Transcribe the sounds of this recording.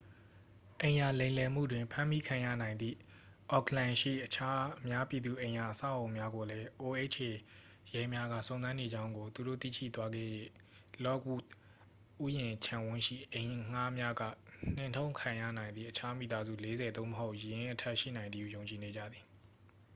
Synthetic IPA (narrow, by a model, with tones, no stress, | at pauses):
ʔẽ˨ɪ̃ja˨lẽ˨ɪ̃lɛ˨m̥ṵ˦˨dwɪ̃˨mpʰã˦mi˦kʰã˨jä̰˦˨nã˨ɪ̃nd̪ðḭ˦˨ | ʔɔ˦˨kʰlã˨ʃḭ˦˨ʔət͡ɕʰa˦mja˦pji˨d̪u˨ʔẽ˨ɪ̃ja˨ʔəsa̰˦˨ʔõ˨ʊ̃mja˦ɡo˨lɛ˦ʔo˨ʔe˦˨ʔt͡ɕʰe˨ | jɛ˦mja˦ɡä̰˦˨sõ˨ʊ̃zã˦ne˨d͡ʑã˦ʊ̃ŋɡo˨t̪u˨do̰˦˨t̪ḭ˦˨ʃḭ˦˨t̪wa˦ɡɛ̰˦˨jɛ̰˦˨ | lɔ˦kwṵ˦˨ | ʔu˦jɪ̃˨t͡ɕʰã˨wʊ̃˦ʃḭ˦˨ʔẽ˨ɪ̃ŋ̥a˦mja˦ɡä̰˦˨n̥ɪ̃˦˨ntʰõ˦ʊ̃ŋkʰã˨jä̰˦˨nã˨ɪ̃nd̪ðḭ˦˨ʔət͡ɕʰa˦mḭ˨t̪a˦zṵ˦˨le˦zɛ˨d̪õ˦məɦo˦ʊʔjjɪ̃˦ʔə˦tʰɛ˦ʔʃḭ˦˨nã˨ɪ̃nd̪ði˦jõ˨ʊ̃ɲt͡ɕi˨ne˨d͡ʑä̰˦˨d̪ði˨